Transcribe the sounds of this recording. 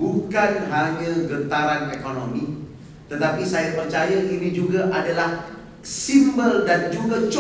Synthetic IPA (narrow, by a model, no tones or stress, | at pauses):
ukanɦaɲãɡət̪aɾanekonomi | t̪ət̪apisajapərt͡ʃajaʔinid͡ʒuɡaʔadalah | simbəldand͡ʒuɡat͡ʃ